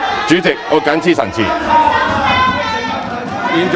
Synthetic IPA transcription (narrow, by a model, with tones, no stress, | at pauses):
t͡ʃyː˨˥t͡sɪ˨k̚ŋɔː˨˥ka˨˥nt͡sʰiː˥˧sɐ˨˩nt͡sʰḭː˨˩ | ji˨˧nt͡ʃ